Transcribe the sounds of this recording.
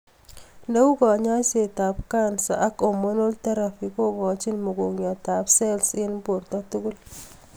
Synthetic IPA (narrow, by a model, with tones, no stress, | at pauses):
nda˦u˦kɔ˨ɲa˦t͡ʃe˨ta˨p̚ka˦nsa̰˨ʔa˦ko˨mo˦no˦lta˦ɾa˨fi˨ko˦ŋɔ˨t͡ʃi˦nmo˨ɡo˨kɲɔ˨ta˨psɛ˦lsɪ˦npo˨ɾtɔ˦tu˦ɡu˦l